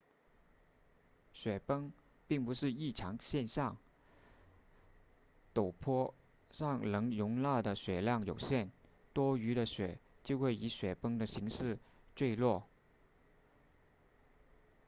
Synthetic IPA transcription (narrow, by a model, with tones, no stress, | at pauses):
ɕɥɛ˨˩pɤ˥ŋ | pi˥˩ŋpu˧˥ʂɻ̩˥˧i˥˩ʈ͡ʂʰɑ˧˥ŋɕjɛ˥˧nɕjɑ˥˩ŋ | t̪o˨˩ʊpʰɔ˥ | ʂɑ˥˩ŋlɤ˧˥ŋjʊ˧˥ŋla˥˩d̪ə˩ɕɥɛ˨˩ljɑ˥˩ŋjo˨˩ʊɕjɛ˥˩nt̪wɔ˥y˧˥ɾə˧ɕɥɛ˨˩˦t͡ɕjo˥˧ʊxwe˥˩ɪi˧˥ɕɥɛ˨˩pɤ˥ŋd̪ə˨ɕi˧˥ŋʂɻ̩˥˧ | t͡swe˥˧ɪlwɔ˥˩